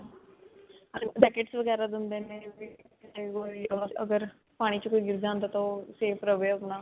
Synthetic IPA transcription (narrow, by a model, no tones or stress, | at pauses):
aɖɛːkeːʈsʋəɡɛːɾaːd̪ʊnd̪eːnẽːbi | ekoːaə̰ɡəɾ | paːɽ̃iːt͡ʃəkoːiːɡɪɾd̪aːnd̪aːt̪aseːpɾəʋeːʊbnaː